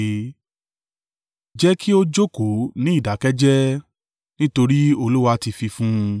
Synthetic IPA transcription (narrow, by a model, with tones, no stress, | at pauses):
d͡ʒɛ˦kʰi˦o˦d͡ʒo˦ko˨˦nĩ˦i˦˨da˨kɛ˦d͡ʒɛ˦ | nĩ˦to˧ɾi˦o˧lu˦wa˧ti˧fi˧fũ˦˧